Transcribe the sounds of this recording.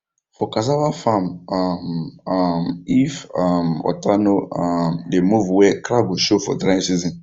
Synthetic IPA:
fɔkas̬abafãmam | mifamɔ̰tanoamdemuvwɛkɾaɡuʃofɔ̰dɾãsizĩn

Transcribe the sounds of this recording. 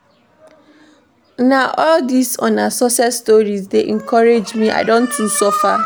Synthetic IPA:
naʔɔldisɔ̃nasosɛtstoɹizdeʔɛ̃ŋkʰɔɾed͡ʒmia̰ɪdõntθĩŋksofa

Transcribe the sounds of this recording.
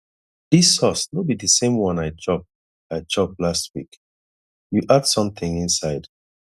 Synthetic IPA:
d̥isɔsnobidəsẽmwʌ̃naɪt͡ʃɔp̚ | aɪd͡ʒɔp̚last̚wḭk | juʔadsʌ̃mθɪ̃ŋĩnsaɪd̥

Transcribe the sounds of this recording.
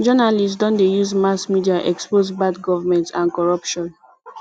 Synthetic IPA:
d͡ʒɔnalistsdɔ̃ndejuzmasmidiaʔɛkspozbadɡɔvamɛ̃ntãnkɔɹɔpʃɔ̃n

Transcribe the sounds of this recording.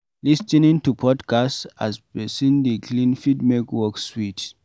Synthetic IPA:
listĩnĩntupʰɔdkasta̰sbɛsĩndiklĩnfidmekwɔkswit

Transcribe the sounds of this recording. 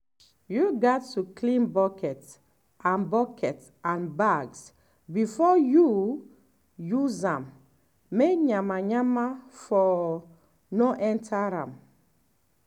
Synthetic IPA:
juɡatʰːuklĩnbɔkɛt | ʔãnbɔkʰɛt | ãnbaɡs | bifɔju | juzãmː | ekɲãmaɲamafɔ | nɔʔɛ̃ntʰaɾãm

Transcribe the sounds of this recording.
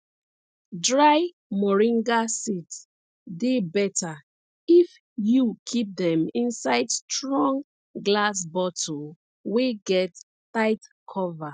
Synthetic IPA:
dɹaɪ | mɔɹĩŋɡasits | debɛtʰa | if | jukʰip̚dɛ̃mĩnsaɪdstɹɔ̃ŋ | ɡlas̬bɔtʰo | weɡɛtː | aɪtkʰɔva

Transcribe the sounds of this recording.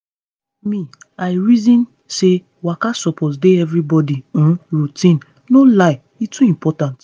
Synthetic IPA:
mĩ | aɪɹizĩn | se | wakasɔpʰɔsdeɛvɾibɔdiũɹutĩn | nolaɪ | itʰuĩmpʰɔtãnt

